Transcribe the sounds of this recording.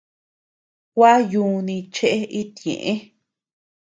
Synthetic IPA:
kʷa˦jũː˧nĩ˧t͡ʃe˦ʔe˦i˦t̪ḛ̃˨ʔẽ˦

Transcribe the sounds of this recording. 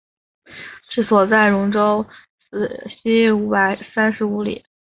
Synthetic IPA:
ʂɻ̩˥˩swɔ˨˩t͡sa˥˩ɪɻʊ˧˥ŋʈ͡ʂo˥ʊ | s̩˧˩ɕi˥u˧˥pa˨˩ɪsa˥nʂɻ̩˧˥u˧˥lḭ˨˩˦

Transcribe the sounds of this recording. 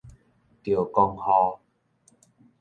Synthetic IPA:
t̪jo˨˩kɔ˧ŋhɔ˧

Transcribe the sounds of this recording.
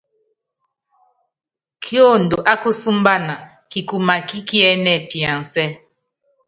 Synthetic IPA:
kʰjo˦˨n̩˨do˨ʔa˦ku˦su˦m˦ba˦na˨ | ki˨ku˨ma˨ki˦ki˦ɛ˦nɛ˦˨pi˨a˨n˨sɛ˦

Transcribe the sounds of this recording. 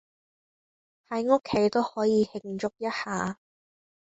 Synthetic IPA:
hɐ˨˥jŋʊ˥kʰːe˨˥jt̪o˥whɔː˨˥jiː˨˧hɪ˧˩ŋt͡ʃʊ˥k̚jɐ˥t̚haː˨˩

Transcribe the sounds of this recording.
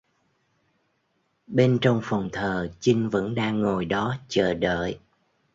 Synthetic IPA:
ɓe˧nt͡ɕɔ˧wŋ͡mfɔ˨˩wŋ͡mt̪ʰəː˨˩t͡ɕi˧ŋ̟və̰˧˥nɗaː˧ŋːo˨˩jɗɔ˨˦t͡ɕəː˧˩ɗə̰ː˧˨j

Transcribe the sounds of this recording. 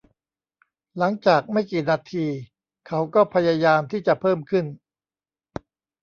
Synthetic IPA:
la˩˦ŋt͡ɕaː˨˩k̚ma˥˩jkiː˨˩naː˧t̪ʰiː˧ | kʰa˦˥wkɔː˥˩pʰa˧jaː˧jaː˧mt̪ʰiː˥˩t͡ɕa˨˩pʰɤː˥˩mkʰɯ˥˩n

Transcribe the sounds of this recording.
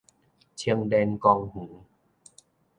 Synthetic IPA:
t͡ɕʰi˧əŋdɛː˧nkɔː˧ŋhuː˩˦

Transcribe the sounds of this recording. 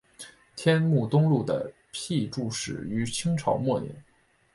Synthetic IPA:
t̪ʰjɛ˥nmu˥˩t̪ʊ˥ŋlu˥˩d̪ə̰˩ | pʰi˥˧ʈ͡ʂu˥˧ʂɻ̩˨˩y˧˥t͡ɕʰi˥ŋʈ͡ʂʰɑ̰˧˥ʊmwɔ˥˩nḭ˧˥˦ŋ

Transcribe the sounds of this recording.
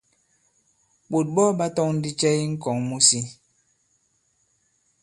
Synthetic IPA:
ɓo˨t̚bɔ˦ɓa˦tɔ˦ŋn̩˦di˦t͡ʃɛ˦i˦ŋ̩˦kɔ˨ŋmu˦si˦

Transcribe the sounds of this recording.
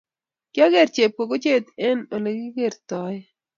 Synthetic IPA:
kja˦ɡe˦ɾt͡ʃe˨p̚ko˨ɡo˦t͡ʃe˦t̪ɛ˦no˨le˨ɡi˦ɡe˦˨ɾt̪ɔ˨j

